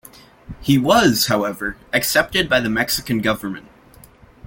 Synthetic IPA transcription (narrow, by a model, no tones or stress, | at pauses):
hiwʌz̥haʊɛvə˞ɨksɛp̚tɨd̚baɪðɨmɛksɨkɨ̃n̩ɡʌvə˞mɨ̰̃nt̚